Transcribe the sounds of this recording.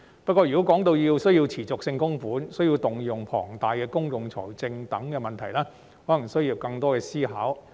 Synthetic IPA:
pɐ˥kːɔː˧jy˨ko˦˥wkɔː˨˥ŋt̪o˧wjiː˧wsɵ˥ɥjiː˧wt͡sʰiː˨˩t͡sʊ˨k̚sɪ˧ŋkʊ˥ŋfuː˨˥nsɵ˥ɥji˧wt̪ʊ˨ŋjʊ˨˩ŋpʰɔ̰ː˨˩ŋt̪aː˨jkɛː˧kʊ˥ŋjʊ˨ŋt͡sʰɔ̰ː˨˩jt͡sɪ˧ŋt̪ɐ˨˥ŋkɛː˧mɐ˨nt̪ʰɐ˨˩jlɛː˥ | hɔː˨˥lɐ˨˩ŋsɵ˥ɥjiː˧wkɐ˧ŋt̪ɔː˥kɛː˧siː˥ɦaː˨˥w

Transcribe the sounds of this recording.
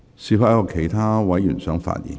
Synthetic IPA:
siː˧faː˧˥jɐ˥kɔː˧kʰe˨˩jt̪ʰaː˥wɐ˨˥jyː˨˩nsœː˨˥ŋfa̰ː˧t̚jḭː˨˩˦n

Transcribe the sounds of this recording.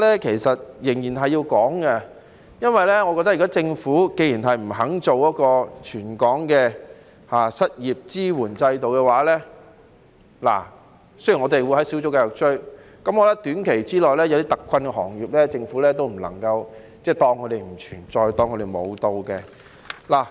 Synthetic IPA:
lɛː˥kʰe˨˩jsɐ˨t̚jɪ˨˩ŋjiː˨˩nɦɐ˨jːiː˧wkɔː˨˥ŋɡɐ˧ | jɐ˥nwɐ˨jlɛː˥ŋɔ˨˧kɔ˧t̪ːɐ˥ji˨˩kɔ˥t͡sɪ˧ŋfuː˨˥ke˧jiː˨˩nɦɐ˨jm̩˨˩ɦɐ˨˥ŋt͡so˨wjɐ˥kɔː˧t͡ʃʰyː˨˩nkɔː˨˥ŋkɛː˧ | haː˨˩sɐ˥t̚jiː˨˩p̚t͡siː˥wuː˨˩nt͡sɐ˧jt̪o˨wkɛ˧waː˨˥lɛː˥ | la̰ː˨˩ | sɵ˥ɥjŋɔː˨˧t̪e˨jwu˨˧jhɐ˨˥jsi˨˥wt͡sʊ˥kaː˧jʊ˨k̚t͡ʃɵ˥ɥ | kɐ˨˥mkɔː˧t̪ɐ˥t̪yː˨˥nkʰe˨˩jt͡siː˥lɔː˨˩jlɛː˥jɐ˧wt̪iː˥t̪ɐ˨kʰʷːɐ˧nkɛ˧hɔ̰ː˨˩ŋjiː˨˩p̚lɛː˥t͡sɪ˧ŋfuː˨˥lɛː˥t̪o˥wm̩˨˩lɐ̰˨˩ŋkɐ˧w | t͡sɛː˥˩t̪ɔː˧ŋkʰø˨˧ɾe˨jm̩˨˩t͡ʃʰy̰ː˨˩nt͡sɔː˧jt̪ɔː˧ŋkʰø˧ɾe˨jmo˨˧wt̪o˨˧wkɛ˧ | laː˨˩

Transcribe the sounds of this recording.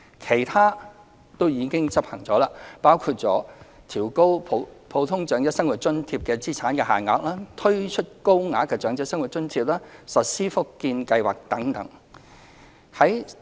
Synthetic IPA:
kʰe˨˩jt̪ʰaː˥ | t̪o˥wjiː˨˧kɪ˥ŋt͡sɐ˥p̚hɐ˨˩ŋt͡sɔː˨˥laː˧paː˥wkʰuː˧t̚t͡sɔ̰ː˨˥ | t̪ʰiː˨˩wko˥wpʰpʰo˨˧wt̪ʰʊ˥ŋt͡ʃœː˨˥ŋjɐ˥t̚sɐ˥ŋwu˨t̚t͡ʃɵ˥nt̪ʰiː˧p̚kɛː˧t͡siː˥t͡sʰaː˨˥nkɛː˧ɦaː˨˩nŋɔː˨˧k̚laː˥t̪ʰɵ˥ɥt͡ʃʰɵ˥t̚ko˥wŋaː˨˥kːɛː˧t͡ʃœː˨˥ŋt͡sɛ˥sɐ˥ŋwu˨t̚t͡ʃɵ˥nt̪ʰiː˧p̚laː˥sɐ˨t̚siː˥fʊ˥kːiː˧nkɐ˧jwa̰ː˨k̚t̪ɐ˨˥ŋt̪ɐ˨˥ŋ | hɐ˨˥j

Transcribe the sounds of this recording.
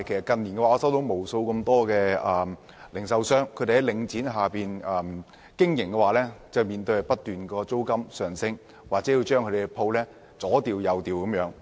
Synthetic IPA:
kʰjsɐ˨˩kɐ˨˩nniː˨˩nkɛ˧wːɔː˧sɐ˥wt̪o˨˧wmo˨˩wso˧wkɐ˧mt̪ɔː˥kɛː˧ɐː˨m | lɪ˨˩ŋsɐ˨˧wsœː˥ŋkʰte˨hɐ˨˦jlɪ˨˧ŋt͡siː˨˥nɦaː˨piː˨nɐː˨˩m | kɪ˥ŋjɪ˨˩ŋkɛ˧waː˨˥lɛː˥t͡sɐ˨wmiː˨˩nt̪ɵ˧ɥhpɐ˥t̚t̪yː˨nkɔː˧t͡so˥wkɐ˥msœː˨ŋsɪ˥ŋ | waː˨˩k̚t͡sɛ˨˥ji˧wt͡ʃœː˥ŋkʰɵ˧e˨˧pʰo˧wlɛː˥ | t͡sɔː˨˥t̪iː˨wjɐ˨˧wt̪iː˨˩wkɐ˨˥mjœː˨˥ŋ

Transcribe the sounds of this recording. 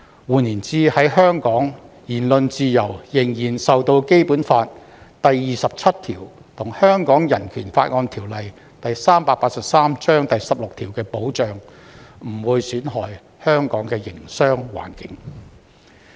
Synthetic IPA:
wuː˨niː˨˩nt͡siː˧hɐ˨˥jɦœː˥ŋkɔː˨˥ŋ | jiː˨˩nlɵ˧nt͡siː˧jɐ˨˩wjɪ˨˩ŋjiː˨˩nsɐ˨wt̪o˧wke˥jpuː˨˥nfaː˧t̚ | t̪ɐ˨jːiː˨sɐ˨p̚t͡sʰɐ˥t̚t̪ʰiː˨˩w | t̪ʰʊ˨˩ŋhœː˥ŋkɔː˨˥ŋjɐ˨˩nkʰyː˨˩nfaː˧t̚ŋɔː˧nt̪ʰiː˨˩wlɐ˨j | t̪ɐ˨jsaː˥mpaː˧paː˧t̚sɐ˨p̚saː˥mt͡ʃœː˥ŋt̪ɐ˨jsɐ˨p̚lʊ˨k̚t̪ʰiː˨˩wkɛː˧po˨˥wt͡ʃœː˨ŋm̩˨˩wuː˨˧jsyː˨˥nɦɔː˨˩j | hœː˥ŋkɔː˨˥ŋkɛː˧jɪ˨˩ŋsœː˥ŋwa̰ː˨˩nkɪ˨˧˥ŋ

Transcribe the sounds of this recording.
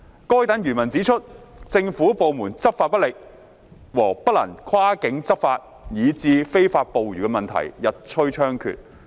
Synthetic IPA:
kɔː˥jt̪ɐ˨˥njyː˨˩nmɐ˨˩nt͡si˨˥t͡ʃʰɵ˥t̚t͡sɪ˧ŋfu˨˥po˨˧wmuː˨˩nt͡sɐ˥p̚faː˧pɐ˥lɪ˨k̚ | wɔː˨˩pɐ˥t̚lɐ̰˨˩ŋkʰwaː˥kɪ˨˧˥ŋt͡sɐ˥p̚faː˧t̚ | jiː˨˧t͡siː˧fe˥jfaː˧t̚po˨wɥyː˨˩kɛ˧mɐ˨nt̪ʰɐ̰˨˩jjɐ˨t̚t͡ʃʰɵ˥ɥt͡ʃʰœː˥ŋkʰy̰˨t̚

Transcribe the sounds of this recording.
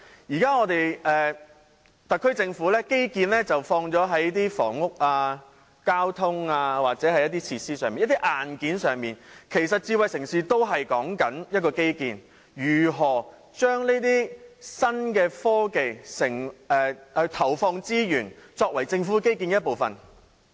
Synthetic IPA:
jiː˨˩kaː˥ŋɔː˨˧t̪e˨jɛː˨˧ | t̪ɐ˨t̚kʰːɵ˥ɥt͡sɪ˧ŋfu˨˥lɛː˥ke˥jkiː˧nlɛː˥t͡sɐ˨wfɔː˧ŋt͡sɔː˨˥ɦɐ˨˥jt̪iː˥fɔ̰ː˨˩ŋʊ˥k̚aː˧ | kaː˥wt̪ʰʊ˥ŋaː˧waː˨k̚t͡sɛː˨˥hɐ˨˧jɐ˥t̚t̪iː˥t͡sʰiː˧tsiː˥sœː˨ŋiː˨njɐ˥t̪i˥ʔaː˨nkiː˨˥nsœː˨ŋmiː˨nkʰe˨˩jsɐ˨t̚t͡siː˧wɐ˨jsɪ˨˩ŋsiː˨˧t̪o˥wɦɐ˨jkɔː˨˥ŋkɐ˨˥njɐ˥t̚kɔː˧ke˥jkiː˧n | jyː˨˩ɦɔː˨˩ | t͡ʃœː˥ŋneː˥t̪iː˥sɐ˥nkɛː˧fɔː˥ke˨jsɪ˨˩ŋɛː˨˩ɛ˨˧t̪ʰɐ˨˩wfɔː˧ŋt͡siː˥jyː˨˩nt͡sɔː˧k̚wɐ˨˩jt͡sɪ˧ŋfuː˨˥ke˥jki˧njɐ˥t̚po˨wfɐ̰˨˩n

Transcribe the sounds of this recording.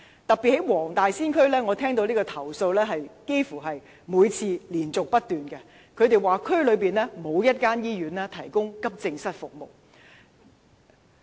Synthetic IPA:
t̪ɐ˨k̚pi˨t̚he˨˥jwɔː˨˩ŋt̪aː˨jsiː˥nkʰɵ˥ɥlɛː˥ŋɔː˨˧t̪ʰɛː˥ŋt̪o˧wliː˥kɔː˧t̪ʰɐ˨˩wso˧wlɛː˥ɦɐ˨jke˥jfuː˨˩ɦɐ˨j | muː˨˧jt͡sʰiː˧liː˨˩nt͡sʊ˨k̚pɐ˥t̚t̪yː˨nkɛ˧ | kʰɵ˨˧ɥt̪e˨jwaː˨kʰɵ˥lɵ˨˧ɥpiː˨˩nlɛː˥mo˨˧wjɐ˥t̚kaː˥njiː˥jyː˨˧nlɛː˥t̪ʰɐ˨˩jkʊ˥ŋkɐ˥p̚t͡sɪ˧ŋsɐ˥t̚fʊ˨k̚mo˨˩w

